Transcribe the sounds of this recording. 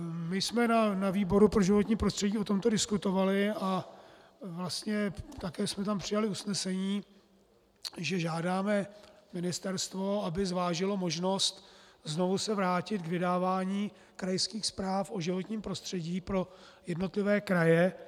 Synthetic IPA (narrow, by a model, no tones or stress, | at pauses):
mɪjsmɛnanaviːbo̞ɾupɾo̞ʒɪvo̞t̪ɲiːpɾo̞st̪r̥ɛɟiːo̞t̪o̞mt̪o̞dɪskut̪ovalɪa | vlast̪ɲɛt̪akɛːsmɛt̪ampr̥ɪjalɪusnɛsɛɲiː | ʒɛʒaːdaːmɛmɪnɪst̪ɛɾst̪vo̞abɪzvaːʒɪlo̞moʒno̞st̪zno̞vusɛvɾaːcɪt̪ɡvɪdaːvaːɲiː | kɾajskiːxspɾaːfʔo̞ʒɪvo̞t̪ɲiːmpɾo̞st̪r̝̥ɛɟiːpɾo̞ | jɛdno̞t̪lɪvɛːkɾajɛ